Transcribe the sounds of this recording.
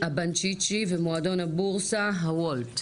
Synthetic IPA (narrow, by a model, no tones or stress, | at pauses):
habant͡ʃit͡ʃivemoado̞nabuʁsaɦawolt